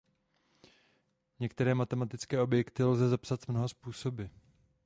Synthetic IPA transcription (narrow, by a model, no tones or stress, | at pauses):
ɲɛkt̪ɛɾɛːmat̪ɛmat̪ɪt͡skɛːʔo̞bjɛkt̪ɪlzɛzapsat̪mnoɦaspuːso̞bɪ